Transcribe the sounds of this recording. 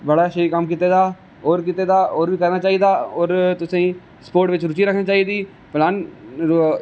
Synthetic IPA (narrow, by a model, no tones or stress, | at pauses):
bəɽaʃeikəmkit̪ed̪aː | ɔːɾkit̪ed̪aːɔːɾbʱikɐɾnaːt͡ʃaːɦid̪aɔːɾt̪ʊsẽĩ | spoːɾʈʋɪt͡ʃɾʊt͡ʃiɾəkʰnat͡ʃaːid̪iː | plaːn